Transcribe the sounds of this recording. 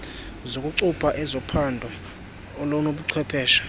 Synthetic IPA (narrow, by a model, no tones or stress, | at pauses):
zokʼuǀupʰaʔɛzɔpʰandʱɔː | lɔnoɓuǀʰwɛpʰɛːʃḁ